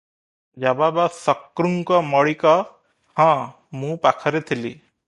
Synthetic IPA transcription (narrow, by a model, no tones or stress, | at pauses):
d͡ʒababasɔkːɾuŋkɔmɔɭikɔ | hã | mũpakʰaɾet̪ʰilḭ